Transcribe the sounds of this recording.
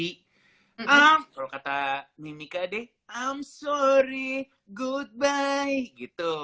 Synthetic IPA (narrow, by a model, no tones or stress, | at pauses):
i | amkalokat̪amimikadɛh | amsɔɾi | ɡud̪̚bajɡit̪u